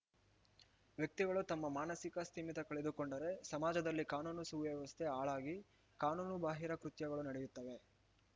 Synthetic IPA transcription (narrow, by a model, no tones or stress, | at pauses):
ʋjɐk̚t̪iɡɐɭut̪ɐmːɐmaːnɐsikɐst̪ʰiːmit̪ɐkɐɭed̪ukoɳɖɐɾe̞sɐmaːd͡ʒɐd̪ɐlːikaːnuːnusuʋjɐʋɐst̪ʰeaːɭaːɡi | kaːnuːnubaːɦiɾɐkɾut̪jɐɡɐɭunɐɽejut̪ːɐʋe̞